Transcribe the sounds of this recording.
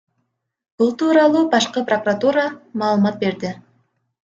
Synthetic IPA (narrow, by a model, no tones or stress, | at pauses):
b̥ulˠt̪uːɾɑlˠuːbɑʃqəprokurat̪uɾɑmɑːlˠəmɑt̪̚be̞ɾd̪ɪ